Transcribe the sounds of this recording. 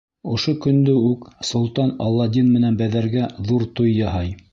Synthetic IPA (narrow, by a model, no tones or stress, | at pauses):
ŏʃokɵ̆nd̪ɵʉksŏlˠt̪ɑnɑlˠːɑd̪ʲinmɘ̆nænbæðæɾɡæðuɾt̪ojːɑɦɑj